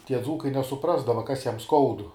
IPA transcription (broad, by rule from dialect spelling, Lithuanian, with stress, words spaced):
ˈtʲiɛ ˈd͡zuːkɐɪ nʲɛsʊˈprɑːzdɐʋɐ ˈkɐs ˈjɛm ˈskɐʊdʊ